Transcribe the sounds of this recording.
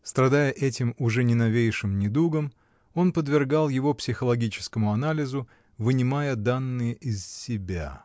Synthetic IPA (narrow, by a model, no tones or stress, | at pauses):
st̪ɾɐd̪ajəʔɛtʲɪmʊʐɛnʲɪnɐvʲejʂɨmnʲɪd̪uɡəm | o̞npəd̪vʲɪrɡalˠjɪvo̞psʲɪxəlˠɐɡʲit͡ɕɪ̥skəmʊɐnalʲɪzʊ | vɨnʲɪmajəd̪anːɨjəʔɪzsʲɪbʲa̰